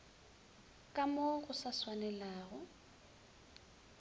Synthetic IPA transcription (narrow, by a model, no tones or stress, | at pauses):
kʼamoɣʊsaswanɛlaːɣʊ